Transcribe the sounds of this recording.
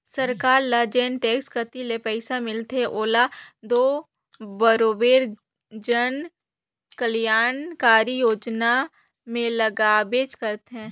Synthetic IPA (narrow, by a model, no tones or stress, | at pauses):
səɾkaːɾlad͡ʒeːnʈeːkskət̪ilepɛɪsamɪlt̪eɛ̃ʔoːlad̪oː | bəɾoːbeːɾ | d͡ʒən | kəljaːnkaːɾijoːd͡ʒna | mẽləɡaːbeːt͡ʃkəɾt̪eɦɛ̃ː